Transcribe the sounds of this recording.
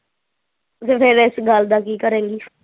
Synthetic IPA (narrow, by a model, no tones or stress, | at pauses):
sepɪɾɪsɡald̪aːkiːkəɾẽːŋɡiː